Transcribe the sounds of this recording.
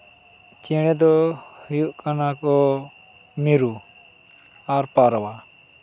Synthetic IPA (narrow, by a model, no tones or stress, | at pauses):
t͡ʃɛɽ̃ɛd̪ɔhujuʔkanakɔ | miɾu | aɾpaɾɔwa